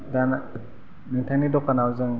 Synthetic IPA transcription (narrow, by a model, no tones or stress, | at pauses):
dan | nɯŋtʰajnidɔkanawzɯŋ